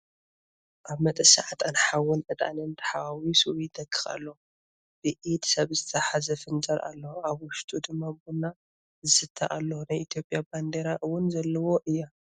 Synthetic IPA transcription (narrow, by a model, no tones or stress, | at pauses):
ʔaβmɐt̪ʼɨsa̰ʕat̪ʼanħawʊnʕɨt̪ʼa̰nɨnt̪ʰɐ̥ħawawisuwid̪ɐkʰʼːɨxʼa̰lːo | b̥ɨʔit̪ʰsɐβzɨt̪ʰɐħazɐfɨnt͡ʃʼɐɾʔa̰lːɐuʔaβwʊʃt̪ʼud̪ɨmːabuna | zɨsɨt̪ʰːa̰ʔalːɐwunajʔit̪ʰjo̞pʼːjaband̪eɾaʔɨwʊnzɐlːɐwo̞ʔɨjːa